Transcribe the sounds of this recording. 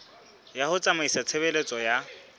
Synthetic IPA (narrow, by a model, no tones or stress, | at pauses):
jahʊt͡sʼamaisat͡sʰeβelet͡sʼɔja